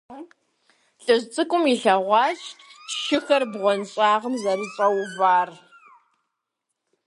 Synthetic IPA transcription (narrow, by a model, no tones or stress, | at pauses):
ɬʼɨzt͡sʼɨkʷʼʊmiɬɐʁʷɑːʃʃɪxɐrbʁʷɔnɕʼaːʁəmzɐɾɨɕʼɐwvaːr